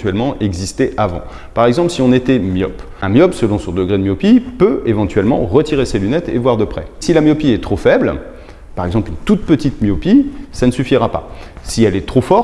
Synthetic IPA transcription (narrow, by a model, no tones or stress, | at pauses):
t̪ɥɛlmɑ̃ʔɛɡzist̪ɛʔavɑ̰̃ | paʁɛɡzɑ̃plsiɔ̃net̪ɛmjɔ̰p | ɛ̃mjɔpsəlɔ̃sɔ̃d̪əɡʁed̪əmjɔpipøevɑ̃t̪ɥɛlmɑ̰̃ʁət̪iʁeselynɛt̪ḛvwaʁd̪əpχɛ̰silamjɔpiɛt̪χofɛbl | paʁɛɡzɑ̃plynt̪ut̪̚pət̪it̪mjɔpisanəsyfiʁapa̰siɛlɛt̪χofɔʁ